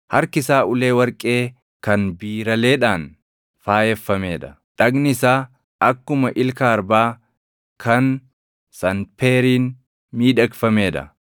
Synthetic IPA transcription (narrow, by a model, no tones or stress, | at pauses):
hɐɾkɪsaːʊle̞ːwɐɾkʼe̞ː | kɐnbiːɾɐle̞ːᶑaːn | faːjɛfːɐme̞ːᶑɐ̥ | ᶑɐɡnɪsaː | ʔɐkːʊmɐʔɪlkaːɾbaː | kʰɐn | sɐnpeːɾiːn | miːᶑɐkfɐme̞ːᶑɐ̰